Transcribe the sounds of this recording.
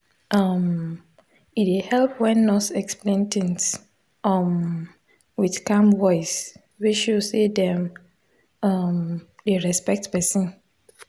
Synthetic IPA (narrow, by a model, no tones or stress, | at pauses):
ʔam | itehɛlpwɛ̃nːɔsɛksplẽntɪ̃ŋt | am | widkãmwɔɪs | wiʃusedɛ̃m | amdeɹɛspɛk̚tpɛsĩn